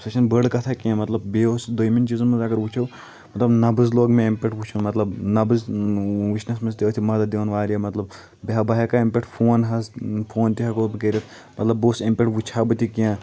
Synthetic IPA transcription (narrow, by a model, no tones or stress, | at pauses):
sɐt͡ʃʰɐnbəɽkɐt̪ʰakãmɐt̪lɐbbeosd̪ojmint͡ʃizmɐnzɐɡɐɾʋut͡ʃʰɐw | mɐt̪lɐbnɐbɨzloːɡmẽempʲeʈʋut͡ʃʰunmɐt̪lɐbnɐbɨzʋit͡ʃnɐsmɐnzt̪ʲiɐt̪ʰimɐd̪ad̪eʋɐnʋaːɾijɐmɐt̪lɐb | beɦabɐɦɐkaempeʈʰpʰoːnɦɐspʰoːnt̪iɦɐkobɨkɐɾʲɐt̪ʰ | mɐt̪lɐbːoːsempeʈʋut͡ʃʰaːbɨt̪ikiãː